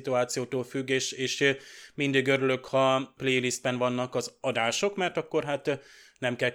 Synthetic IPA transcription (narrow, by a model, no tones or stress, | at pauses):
t̪uaːt̪sijoːt̪oːlfyɡːeːʃeːʃmind̪iːɡøɾylø̞khɒpleːjlist̪̚bɛnvɒnːɒkɒzɒd̪aːʃo̞kmɛrt̪ɒkːo̞rɦaːt̪nɛmkɛl